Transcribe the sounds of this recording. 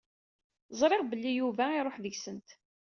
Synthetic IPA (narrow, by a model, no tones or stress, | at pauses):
zˤɾˤɪʁbəlːijuvæiɾˤoħðəʝsənt̪